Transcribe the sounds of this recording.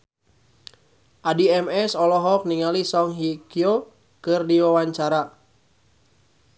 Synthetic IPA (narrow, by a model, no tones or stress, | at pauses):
ʔadiɛmɛsɔlɔɦɔk̚niŋalisɔŋɦikio | kɨrdiwawaɲt͡ʃaɾa